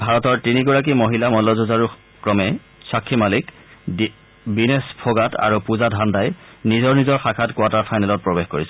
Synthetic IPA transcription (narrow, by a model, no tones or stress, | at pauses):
bʱaɹɔtɔɹtiniɡɔɹak̬imoɦilamɔlɔzozaɹu | kɹɔmɛ | sakʰːimalik | binespʰɔɡata̰ɹupuzadʱandajnizɔɹnizɔɹxakʰatkwataɹpʰajnɛlɔt̚pɹɔbexkoɹisɛ